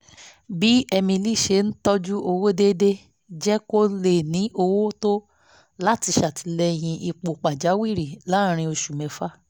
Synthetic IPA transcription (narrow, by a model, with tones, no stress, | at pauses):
bi˨˦ɛ˧mĩ˧li˦˨ʃe˧˦n̩˦tɔ˦d͡ʒu˦ʔo˧wo˦de˦de˦ | d͡ʒɛ˦ko˦le˦˨nĩ˨˦ʔo˧wo˦to˦ | la˦ti˧ʃa˨tʰi˨˧lɛ˧j̃ĩ˧ʔi˧k͡po˨k͡pa˨d͡ʒa˨˦wi˦˨ɾi˨la˨˦˨ɾ̃ĩ˧o˧ʃu˨mɛ̃˨fa˦